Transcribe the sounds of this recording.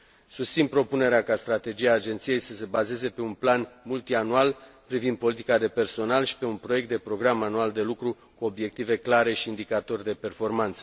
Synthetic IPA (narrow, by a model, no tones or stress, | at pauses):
sust̪sinpɾo̞pune̞ɾeakast̪ɾat̪e̞d͡ʒiaːd͡ʒe̞nt̪sije̞jsəse̞baze̞ze̞pe̞unplanmult̪ianualpɾivind̪̚po̞lit̪ikad̪e̞pe̞rso̞nalʃi̥pe̞unpɾo̞jekt̪d̪e̞pɾo̞ɡɾamanuald̪e̞lukɾu | kuo̞bje̞k̚t̪ive̞klaɾe̞ʃiːnd̪ikat̪o̞rʲd̪e̞pe̞rfo̞rmant̪sə̥